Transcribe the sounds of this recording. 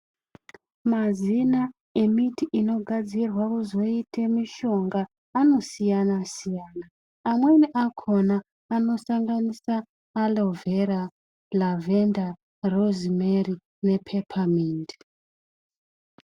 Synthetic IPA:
mazina | e̞mitiʔino̞ɡʱad͡zirwakuzo̞itʰemiʃo̞ŋɡaː | no̞sijanasijanaː | mweniʔakʰonaː | no̞saŋɡanisaː | lo̞vera | lavenda | rozimeri | ne̞pʰepʰamiːnd

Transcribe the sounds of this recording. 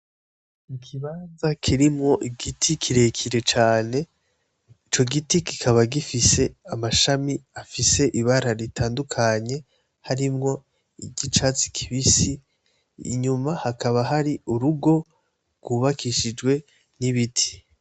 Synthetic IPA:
ikʰiβaːnzakʰiɾimŋo̞ʔiɡitʰikʰiɾe̞kʰiɾe̞t͡ʃaːne̞ | it͡ʃo̞ɡitiki̥kʰaβaɡifise̞amaʃamiafise̞ʔiβaɾaɾitʰaːndukʰaɲe̞ | haɾimŋo̞ | iɟit͡ʃat͡si̥kʰiβisḭː | ɲumahakaβaɦaɾiuɾuɡo̞ | ɡ̥wuːβakʰiʃid͡ʒɡwe̞ | niβitʰi̥

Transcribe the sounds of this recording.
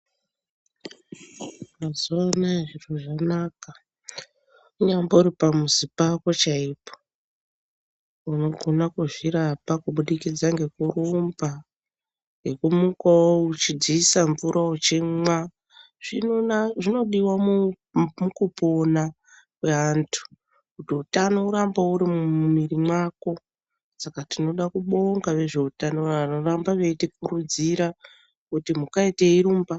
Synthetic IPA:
mazuʋanaeʐiroʐanaka | uɲambouɾipamuzipako̞t͡ʃaipo̥ | uno̞ɡʱo̞nakuʐiɾapakuɓuɗikid͡zaŋɡe̞kurumba | ŋɡe̞kumukawout͡ʃid͡ziːsaɱvuɾʔaot͡ʃemwa | ʐ̥inonaʐino̞ɗiwam | mukupo̞na | kweantʰu̥ | kutiutanouɾambauɾimumirimwako̞ | sakatino̞ɗakuɓo̞ŋɡaʋe̞ʐe̞utanoanorambaʋe̞tikuɾud͡ziɾa | kutimukaiteiɾuːmba

